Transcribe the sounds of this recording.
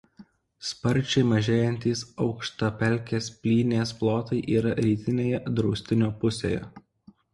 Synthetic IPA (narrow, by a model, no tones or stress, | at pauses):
spɐɾʲˑt͡ʃʲɛɪmɐʒʲeːjɛnʲt̪ʲiːsɒʊkʃt̪ɐpʲɛlʲˑkʲeːspʲlʲiːnʲeːsplˠoːt̪ɐɪʔiːɾɐɾʲiːt̪ʲɪnʲeːjɛd̪ɾɔʊsʲt̪ʲɪnʲoːpʊsʲḛːjɛ̰